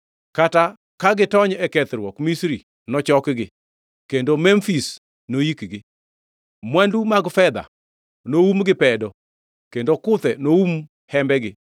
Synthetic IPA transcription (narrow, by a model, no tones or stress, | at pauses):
kata | kaɡɪtɔɲɛkɛt̪ɾwɔkmisɾi | nɔt͡ʃɔkɡɪ | kendomɛmfis | nojikɡɪ | mwandumaɡfɛd̪a̰ | noumɡɪpɛdɔ | kendokʊt̪ɛnoum | hɛmbɛɡɪ